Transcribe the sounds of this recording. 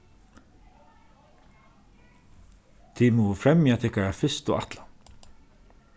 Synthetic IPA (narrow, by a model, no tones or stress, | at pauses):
t̪ʰimɔːfɾɛmjat̪ʰɪkaɹafɪst̪ʊʔa̰t̪la